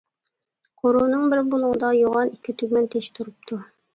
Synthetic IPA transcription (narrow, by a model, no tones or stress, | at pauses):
qʰoɾunɨŋbɪɾbolˠʊŋəd̪ɑjoʁɑnikʲʰːit̪ʰykʲmɛnt̪ʰeʃt̪ʰuɾup̚t̪ʰu